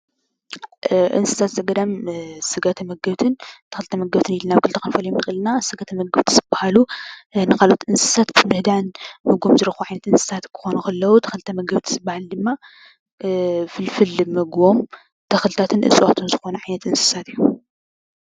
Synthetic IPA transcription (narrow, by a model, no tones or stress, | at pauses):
ʔɨ̰nsɨ̥sʰat̪zɐɡɐd̪amsɨɡɐt̪ʰɐmɐɡɐβt̪ʰɨnt̪ʰɐxɨlt̪ʰɐmɐɡɐβt̪ʰɨnilːɨnaβɡɨlt̪ʰʼkʰɨnfɐlɐjomnɨxʼɨlɨnasɨɡɐt̪ʰɐmɐɡɐβt̪ʰzɨbːahalunɨkʰalʔot̪ʔɨnsɨ̥sat̪bɨmɨhd̪anmɨɡomzɨɾɐxuʕajnɐt̪ɨnsɨ̥sʰat̪kʰɨ̥xo̞nukɐlːɐwut̪ʰɐ̥xɨlt̪ʰɐmɐɡɐβt̪ʰzɨbːahald̪ɨmːa | fɨlfɨlmɐɡom | t̪ʰɐxɨlt̪ʰat̪ʰɨnʔɨ̰sʼwat̪ʰunzɨxo̞nɐʕajnɐt̪ɨnsɨ̥sat̪ijːu